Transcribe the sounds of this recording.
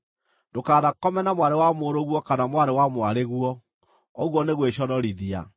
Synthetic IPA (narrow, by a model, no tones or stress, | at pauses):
dokaːðakɔmɛnamwaɾewamoɾoɣwɔkanamwaɾewamoaɾeɣwɔ | ɔɣwɔneɣweɕɔɾɔɾiðia̰